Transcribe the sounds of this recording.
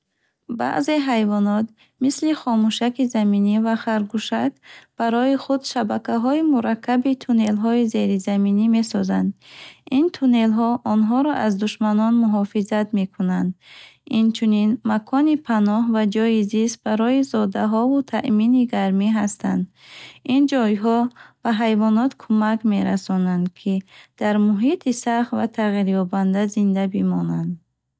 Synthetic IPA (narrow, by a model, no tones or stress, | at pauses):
ba̰ʔze̞ɦajvɔnɔt̪ | misliχɔmuʃakizaminivaχaɾɡuʃakb̥aɾɔiχud̪ʃabakaɦɔimuɾakʰːabit̪ʰune̞lɦɔize̞ɾizaminime̞sɔzand̪int̪ʰune̞lɦɔʔɔnɦɔɾɔʔazd̪uʃmanɔnmuɦɔfizat̪me̞kʰunand̪int͡ʃʰuninmakʰɔnipʰanɔhvad͡ʒɔjizist̪̚baɾɔizɔd̪aɦɔvut̪ʰaʔminiɡaɾmiɦast̪ʰa̰nd̪ | ind͡ʒɔjɦɔb̥aɦajvɔnɔt̪kʰumakme̞ɾa̰sɔnand̪kʰid̪̥aɾmuɦit̪ʰisaχt̪vat̪ʰaʁiɾjɔband̪azind̪abimɔnand̪